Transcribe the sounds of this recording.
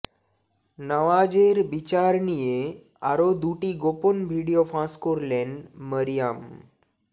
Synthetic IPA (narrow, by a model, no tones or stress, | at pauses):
nəʋad͡ʑeɾbit͡ɕaɾnije | aɾod̪uʈiːɡoponbʱiɽijofãskoɾleɳɖməɾijam